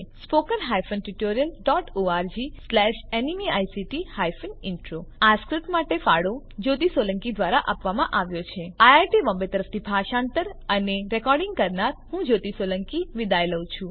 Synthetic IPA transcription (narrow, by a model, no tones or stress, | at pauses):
spokənɦajfənʈuʈoɾijəlɖɔʈoaɾd͡ʒislɛʃenimiajsiʈihajfənɪɳʈɾoaskɾɪt̪maʈefaɽo | d͡ʒot̪̬isoləŋkid̪ʋaɾaʔapʋamãʔaʋjot͡ʃʰeajaɾʈibə̃mbet̪əɾəft̪ʰibʱaʃãɳt̪əɾəneɾɛkɔɾɖɪ̃ŋɡkəɾnaɾɦũd͡ʒot̪isoləŋkiʋid̪ajləw̃t͡ʃʰũ